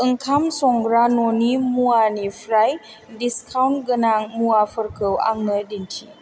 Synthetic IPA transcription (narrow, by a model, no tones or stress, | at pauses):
ʔɨŋkʰamsɔŋɡɾanonimuwanifɾaj | diskʰawntɡənaŋmuwafəɾkʰəwʔa̰ŋːədintʰi